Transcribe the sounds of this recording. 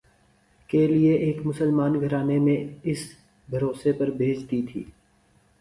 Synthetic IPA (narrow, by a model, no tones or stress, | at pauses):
kelieʔeːkmʊsəlmaːnɡʱɐɾaːnemẽɪs | bʱɐɾoːsepɐɾbʱeːd͡ʒd̪it̪ʰḭː